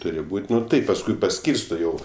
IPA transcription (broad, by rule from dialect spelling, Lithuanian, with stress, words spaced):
ˈtʊrʲɪ ˈbuːtʲ ˈnʊ ˈtɐɪp pɐsˈkʊɪ pɐˈsʲkʲiːrstoː ˈjɛʊ